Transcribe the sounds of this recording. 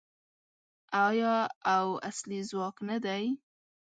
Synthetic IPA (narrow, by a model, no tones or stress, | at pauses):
ɑjɑawa̰slizwɑknad̪aj